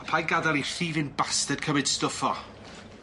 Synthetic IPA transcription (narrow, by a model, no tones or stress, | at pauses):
apʰajɡadalˠiθiːvɪnbastəd̥̚kʰəmɪd̥stʊfɔ̰